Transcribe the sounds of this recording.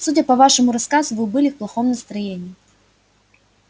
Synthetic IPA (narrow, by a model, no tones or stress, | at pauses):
sudʲəpɐvaʂɨmʊɾɐskazʊvɨbɨlʲɪfplˠɐxomnəst̪ɾɐjenʲiː